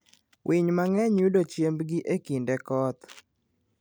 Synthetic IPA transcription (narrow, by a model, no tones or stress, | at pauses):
wʔiɲmaŋɛɲudot͡ʃjembɡɪʔekindɛkɔt̪